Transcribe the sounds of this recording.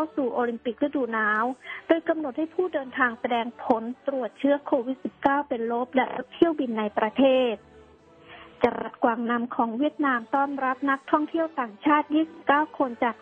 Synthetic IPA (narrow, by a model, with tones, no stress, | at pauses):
kʰa˧˩wsuː˨˩ʔoː˧li˧mpi˨˩k̚ɾa˧˥˩duː˨˩naː˦˥wdoː˧jka˧mno˨˩t̪̚ha˥˩jpʰuː˥˩dɤː˧nt̪ʰaː˧ŋsa˧dɛː˧ŋpʰo˩˦nt̪ɾu˨˩ət̪̚t͡ɕʰɯ˦˥ɐkʰoː˧wi˦˥t̪̚si˨˩p̚kaː˥˩wpe˧nlo˦˥p̚lɛ̰˦˥lo̰˦˥p̚t̪ʰi˥˩əwbi˧nːa˧jpɾa˧t̪ʰeː˥˩t̪̚ | t͡ɕa˧˩ɾa̰˦˥t̪̚kwaː˨˩ŋna˧mkʰɔː˩˦ŋwi˥˩ət̪̚naː˧mt̪ɔː˥˩nɾa˦˥p̚na˦˥k̚t̪ʰɔ˥˩ŋt̪ʰi˥˩əwt̪aː˨˩ŋt͡ɕʰaː˥˩t̪̚jiː˥˩si˨˩p̚kaː˥˩wkʰo˧nt͡ɕaː˨˩k̚